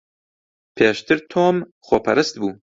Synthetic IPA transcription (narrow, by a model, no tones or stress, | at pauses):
pʰeːʃt̪ʰɨɾt̪ʰoːm | xopʰɛɾɨst̪̚buː